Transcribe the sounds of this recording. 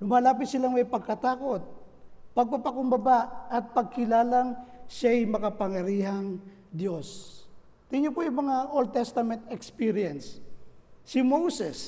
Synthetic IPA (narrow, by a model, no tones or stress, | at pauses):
lʊmaːlaːpɪt̪̚sɪlaŋmɐjpɐɡ̚kɐt̪aːko̞t̪̚pɐɡ̚papɐkʊmbɐbaʔɐt̪̚pɐɡ̚kɪlaːlaŋʃajmɐkɐpɐŋjɐɾiːɦɐŋ | d̪jos | t̪ɪɲopojʊŋmɐŋaʔold̪̚t̪ɛst̪ɐmɛnt̪ɛkspiɾɪjɛnsː | ɪmowsɛs